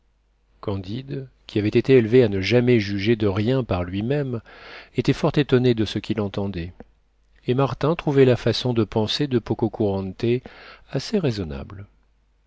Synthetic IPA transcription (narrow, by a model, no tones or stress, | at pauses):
kɑ̃d̪id̪ | kʲʰiavɛt̪et̪eelveanəʒamɛʒyʒed̪əʁjɛ̃paʁlɥimɛmet̪ɛfɔʁt̪et̪ɔned̪əsəkʲilɑ̃t̪ɑ̃d̪ɛ | emaʁt̪ɛ̃t̪χuvɛlafasɔ̃d̪əpɑ̃sed̪əpokɔkuʁɑ̃nt̪easeʁezɔna̰bl